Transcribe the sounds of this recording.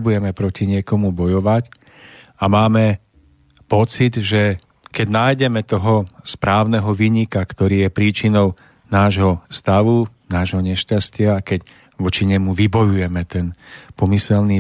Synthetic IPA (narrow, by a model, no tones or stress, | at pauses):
bujɛmɛpɾɔciɲɪɛkɔmubɔjɔʋac | amaːmɛ | pɔt͡sid̪ʒɛ | kɛɟnaːjɟɛmɛt̪ɔɦɔspɾaːʊnɛɦɔʋiːɲikakt̪ɔɾiːjɛpɾiːt͡ʃinɔʊ | naːʒɦɔst̪aʋunaːʒɦɔɲɛʃcascɪakɛc | ʋɔt͡ʃiɲɛmuʋibɔjujɛmɛt̪ɛnpɔmisɛlni